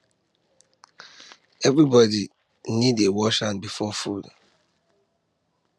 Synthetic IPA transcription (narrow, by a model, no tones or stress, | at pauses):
ɛvɾibɔdi | nidewɔʃanbifɔfud